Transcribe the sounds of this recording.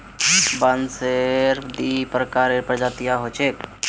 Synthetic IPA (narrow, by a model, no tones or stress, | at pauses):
banseɾd̪ipɾəkaːɾeɾpɾd͡ʒat̪ijaɦot͡ʃʰek̚